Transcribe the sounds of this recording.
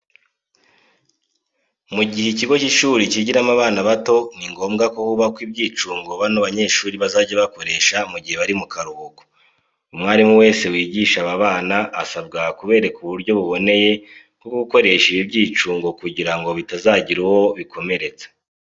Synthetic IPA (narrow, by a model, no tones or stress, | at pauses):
muɟiheciɡo̞ciʃuːɾiciɟiɾamaβaːnaβato̞niŋɡo̞ːmɡako̞huβakwibɟiːt͡ʃuːŋɡo̞βanoβaɲe̞ːʃuːɾiβazaːɟaβako̞ɾe̞ːʃamuɟihe̞βaɾimukaɾuβoɡo̥ | umŋaːɾimuwe̞ːse̞wiːɟiːʃaβaβaːnaːsab̚ɡakuβe̞ːɾekuβuɾɟo̞βuβo̞ne̞je | kokoɡuko̞ɾe̞ʃiβibɟiːt͡ʃuːŋɡo̞kuɟiɾaŋɡo̞βitazaːɟiɾowo̞βikʰo̞me̞ɾe̞t͡sḁ